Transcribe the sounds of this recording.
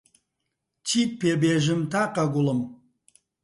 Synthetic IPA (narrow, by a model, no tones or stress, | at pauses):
t͡ʃʰipʰːebeʒɨmt̪ʰaqaɡʷʊlɨm